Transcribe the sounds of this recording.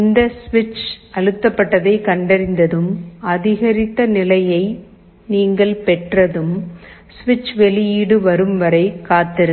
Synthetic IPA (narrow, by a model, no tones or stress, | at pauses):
ɪnd̪ɐsʋɪt͡ʃɐɻɯt̪ːɐpːɐʈːɐðɐɪkɐɳɖɐɾɪnd̪ɐðɯmɐðɪɣɐɾɪt̪ːɐnɪlɐjɐɪ | niːŋɡɐɭpɛʈrɐðɯm | sʋɪt͡ʃʋɛɭɪjiːɽɯʋɐɾɯmʋɐɾɐɪkːaːt̪ːɪɾɯ